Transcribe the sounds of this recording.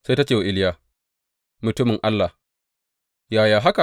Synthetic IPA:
se˦ta˦t͡ʃeː˨wa˨ʔɪ˦ljaː˨ | mʊ˨tʊ˦mɪ˨ŋʔa˦lːa˨h | jaː˨jaː˨ɦa˦ka˨

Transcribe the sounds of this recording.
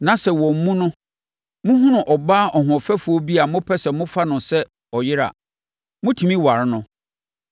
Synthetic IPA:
nã˨sɛ˨wɔ̃˨m̩˨mũ˦nʊ̃˦ | mʊ̃˦ɦʊ̃˦nʊ̃˨ʔɔ˨baː˦ʔɔ˨ɦɔ̃˨fɛ˦fu˨ɔ˦bi˦a˨mʊ̃˦pʰɛ˦sɛ˨mʊ̃˦fa˦nʊ̃˨sɛ˦ | ɔ˨jɪ˦ɾa̰˨ | mʊ̃˦tʰũ˨mĩ˦wa˨ɾnʊ̃˦

